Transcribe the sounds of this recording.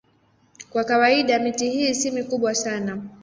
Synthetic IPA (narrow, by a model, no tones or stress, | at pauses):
kwakawaiɗamitihiːsimikuɓwasana